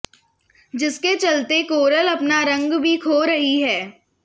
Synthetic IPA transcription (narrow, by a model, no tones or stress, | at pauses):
d͡ʒɪsket͡ʃɐlt̪ekoːɾəlɐpnaɾɐ̃ŋɡbʱikʰoːɾɐɦiɦɛː